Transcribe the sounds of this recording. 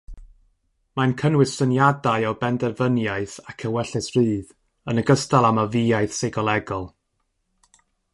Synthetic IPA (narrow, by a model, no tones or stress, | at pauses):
mankʰənwɪsənjadaɨɔbɛndɛrvənjaɨθakʰəwɛɬɨsrɨːð | ənəɡəstalˠamaviːajθsejɡɔlˠɛɡɔlˠ